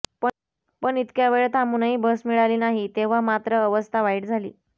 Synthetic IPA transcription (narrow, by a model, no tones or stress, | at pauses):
pə | pəɳit̪kjaʋeɭet̪amunaɦiːbəsmiɭaliːnaɦit̪eʋ̤amat̪ɾəːʋəst̪ʰaʋaiʈd͡zʱalḭː